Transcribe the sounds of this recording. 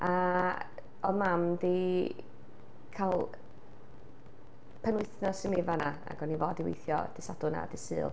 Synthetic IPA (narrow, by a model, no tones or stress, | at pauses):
a | ɔðmamði | kʰalˠ | pʰənwɨɨθnɔsɪmevanaa̰ɡɔnivoːdiwḛjθjɔ̰d̥ɪsadʊna̰dɪsɨ̰ːlˠ